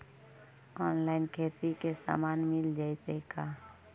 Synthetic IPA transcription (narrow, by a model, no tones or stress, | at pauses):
ɔːnlaːɪnkʰeːt̪ikesa̰ːmaːnmɪld͡ʒaːɪt̪ekaː